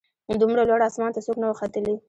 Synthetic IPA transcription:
d̪umɽalwaɽɑsmɑnt̪asoknawəxat̪əli

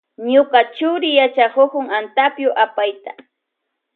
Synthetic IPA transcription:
ɲoqat͡ʃʊɾɪjat͡ʃakokʊŋant̪apjʊʔapajt̪ḁ

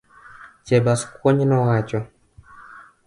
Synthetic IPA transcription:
t͡ʃɛbaskukɔɲinawat͡ʃɔ

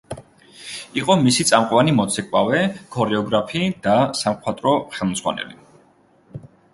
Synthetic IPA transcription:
iqʼɔmisit̪sʼamqʼwanimɔt̪sʰɛkʼwawɛkʰɔɾɛɔɡɾapʰid̪̥asamχwat̪ʼɾɔχɛlˠmd̪zʁwa̰nɛ̰li

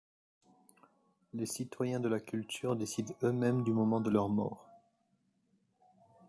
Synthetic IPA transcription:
lesit̪wajɛ̃d̪əlakʲylt̪ʰyʁd̪esid̪ømɛmd̪ymɔmɑ̃d̪əlœʁmɔ̰ːʁ

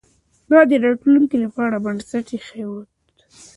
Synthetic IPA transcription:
d̪ɑd̪əɾɑʈluŋkilapɑɽabansaʈexewot̪

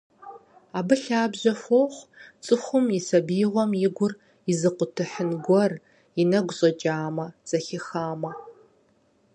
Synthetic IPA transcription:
aːbɨɬaːbʑɐfoːχʷt͡sʼɨχʷʊmisɐbiːʁʷɔmjɪɡʷʊr | izɨqʷʊtʰɨħənɡʷɔr | inɐɡʷɕʼɐt͡ʃʼaːmɐt͡sʼɐxɪxaːmɐ

